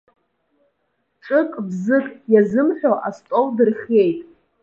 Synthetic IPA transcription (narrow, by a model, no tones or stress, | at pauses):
ʈ͡ʂʼɨkʼbzɨkʼjazɨmħʷᶣoʔastʼowdɨrχʲe̞jtʼ